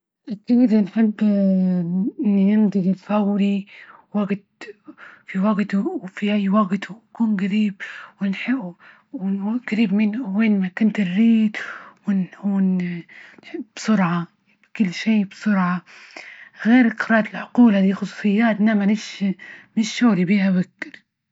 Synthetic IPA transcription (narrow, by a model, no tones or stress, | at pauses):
ʔakːid̪ɪnħɪbː | ɪnːinɪnd̪ˤiɡɪlfawɾiwaɡt̪ | fiwaɡt̪uwfihajːwaɡt̪ukuːnɡaɾiːb̚wɪnħɪʔ | wɡ̥aɾiːbmɪnweːnmakʊnt̪ɪrːiːt̪wɪnuːnnħɪbbsˤʊɾʕa | kʊlːʃeːbsˤʊɾʕɑ | ɣeːɾʔqɾˤɑːt̪ɪlʕʊquːlad̪iːxʊsˤu̥sˤɨjːaːt̪ʔnamanɪʃmɪʃːoːɾibiːhawakːɪl